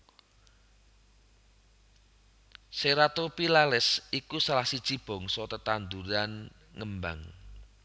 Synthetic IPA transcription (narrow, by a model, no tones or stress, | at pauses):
seɾat̪opilalɪsikusalahsid̥t͡ʃib̥ɔ̤ŋsɔt̪ət̪and̪uɾan | ŋəmba̰ŋ